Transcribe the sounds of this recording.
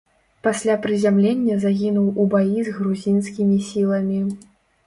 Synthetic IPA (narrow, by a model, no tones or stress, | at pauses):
pasʲlʲapɾɨzʲamlʲenʲːɐzaɣʲinuwubajizɣɾuzʲinskʲimʲisʲilˠɐmʲi